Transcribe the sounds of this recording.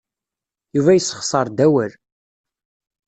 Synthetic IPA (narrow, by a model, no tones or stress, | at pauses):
juvæjəsːə̥χsˤɑɾˤd̪æwəl